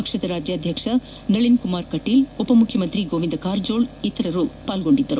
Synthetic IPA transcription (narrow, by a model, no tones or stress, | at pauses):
ɐkʂɐd̪ɐɾaːd͡ʒjaːd̪ʱjɐkʂɐ | nɐɭinkumaːɾkɐʈːiːlupɐmukʰːjɐmɐnt̪ɾiɡoːʋind̪ɐkaːɾd͡ʒoːɭit̪ːɐɾɐɾupaːlɡo̞ɳɖid̪ːɐɾu